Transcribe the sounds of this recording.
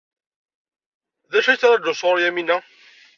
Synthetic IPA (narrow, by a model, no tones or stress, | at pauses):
ðæʃæt͡sːɾæʒʊsˤʁʊɾjæminːæ